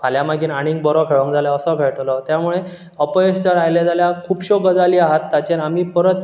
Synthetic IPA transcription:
paljamaɡiːnaɽ̃ĩːŋɡ̚bɔɾɔkʰeɭəŋkd͡zaljaəsɔkʰeɭʈlɔt̪jamuɭe | əpəjeɕt̪əɾajljad͡zaljakʰuːpɕoɡəd͡zaliːaɦat̪ːat͡ɕenamiːpəɾət̪

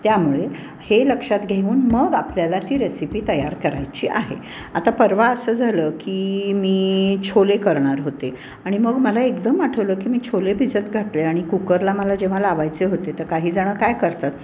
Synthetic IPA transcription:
t̪jamuɭe | heləkʂat̪ɡʱeuːnməɡapljalat̪iːɾesipiːt̪əjaɾkəɾa̰jt͡ɕiːʔa̰ɦḛ | at̪apəɾʋaəsəːd͡zʱaləkiːmiːt͡ɕʰolekəɾɳaɾɦot̪e | aɽ̃iməɡməlaekd̪əmːaʈʰəʋləkiːmiːt͡ɕʰolebʱid͡zət̪ɡʱaʈleaɽ̃ikukəɾlaməlad͡ʑeʋ̤alaʋajt͡seɦot̪et̪əɾkaɦiːd͡zaɽ̃əːkajkəɾt̪at̪̚

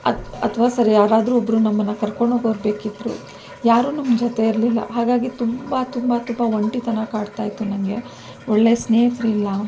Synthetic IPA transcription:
ɐ̰ɐt̪ʰɐʋaːsɐɾijaːɾaːd̪ɾuobːɾuːnɐmːɐnːɐkɐɾkoɳɖoɡoːɾbe̞ːkid̪ɾṵ | jaːɾuːnɐmːɐd͡ʒɔt̪e̞iɾlilːɐ̰ɦaːɡaːɡit̪umbɐt̪umbɐt̪umbɐʋoɳʈit̪ɐnakaːɖt̪aːjit̪ːunɐmɡe̞ | ɔɭːe̞sneːjit̪ɾuilːɐ

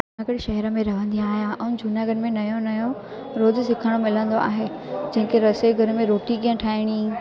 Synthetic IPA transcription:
ãkəɽɪʃɐɦəɾəmẽɾɐʋ̤ə̃nd̪ĩaːɦijãʔɛ̃ːd͡ʑʱuːnaːɡənɪ̆mẽnɐjonɐjo | ɾoːzsɪkʰəɽ̃omɪlə̃nd̪oʔa̰ːɦe | d͡ʑɐ̃ɦɪ̃ŋkeɾɐsəɡʱɐɾmẽɾoːʈikiːə̃ʈʰaːɪɽ̃i

